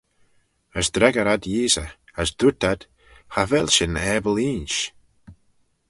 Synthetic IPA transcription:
əsd̪ɾɛɡəɾad̪jiːsə̰əsd̪ut̪ad̪̥ | havɛlʲʃɪnɛːbəliːnʃ

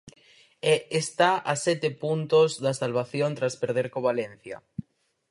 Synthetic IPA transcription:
eest̪aasɛt̪epunt̪ozðasalβaθjont̪ɾaspeɾð̞eɾkoβalen̟θja̰

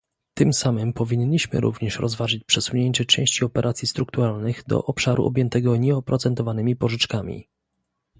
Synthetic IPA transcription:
t̪ɘmsamɘmpɔvʲiɲɲːiɕmɘ̰ɾṵvɲɛʂɾɔzvaʐɘt͡ɕpʂɛsuɲeɲt͡ɕɛt͡ʂɛ̃w̃ɕt͡ɕiɔpɛɾʔat̪sʲjist̪ɾuk̚t̪uɾalnɘɣd̪ɔ̰ʔɔpʂaɾʔṵʔɔbʲjɛnt̪ɛɡɔɲɛɔpɾɔt̪sɛnt̪ɔvanɘmʲipɔʐɘt͡ʂkamʲḭ

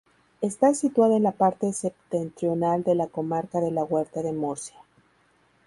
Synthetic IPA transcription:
e̞st̪asit̪waðaenlapaɾt̪e̞sept̪e̞nt̪ɾjo̞nald̪e̞lako̞maɾkaðe̞laɣwe̞ɾt̪aðe̞moɾsja

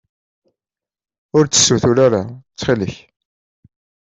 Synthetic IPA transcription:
ʊɾt͡sːə̥sːwθʊɾaɾat͡sːχiləç

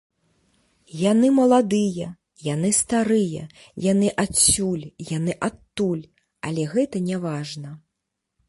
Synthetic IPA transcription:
janɨmɐlˠad̪ɨjɐ | janɨst̪aɾɨjɐ̰ | janɨʔasʲulʲjanɨʔat̪ːulʲ | alʲɛɣɛt̪ɐnʲɛvaʐnɐ

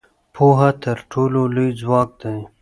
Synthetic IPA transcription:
pʰoɦat̪əɾʈʰololujd͡zwɑk̚d̪aj

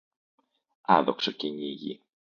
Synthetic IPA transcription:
ɐ̰ðoksociɲiʝḭ

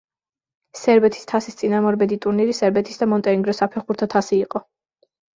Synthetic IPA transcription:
sɛɾbɛt̪ʰi̥st̪ʰasist̪sʼinamɔɾbɛd̪it̪ʼuɾniɾisɛɾbɛt̪ʰi̥sd̪amɔnt̪ʼɛɾiŋɡɾɔsapʰɛχuɾt̪ʰat̪ʰasiːqʼɔ

